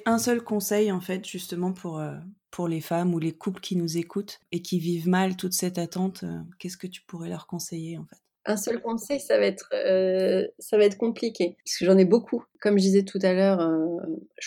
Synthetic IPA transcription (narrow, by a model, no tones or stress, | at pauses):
ʔɛ̃sœlkɔ̃sɛjɑ̃fɛt̪ʒ̥yst̪əmɑ̃pʰuʁøpʰuʁlefamulekʰupləkʲʰinuzekut̪ekʲivivmalt̪ut̪sɛt̪at̪ɑ̃t̪ø̰kʲɛskət̪y̥puʁɛlœʁkɔ̃sejeɑ̃fɛt̪ | ʔɛ̃sœlkɔ̃sɛjsavaɛt̪χ | savaɛt̪χəkɔ̃plikʲeaskəʒɑ̃nɛbokʰukɔmʒəd̪izɛt̪ʰut̪alœːʁøʒ